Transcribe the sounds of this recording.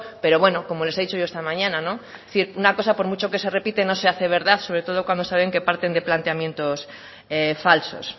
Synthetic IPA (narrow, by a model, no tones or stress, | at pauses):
pe̞ɾo̞βwe̞no̞ko̞mo̞le̞se̞ðit͡ʃoʝoest̪amãɲãnano | θiɾunako̞sapo̞ɾmut͡ʃo̞ke̞se̞re̞pit̪e̞no̞se̞aθe̞β̞e̞ɾðaθso̞βɾe̞t̪o̞ð̞o̞kwand̪o̞saβeŋke̞paɾt̪e̞nd̪e̞plant̪eamje̞nt̪o̞s | efalso̞̰s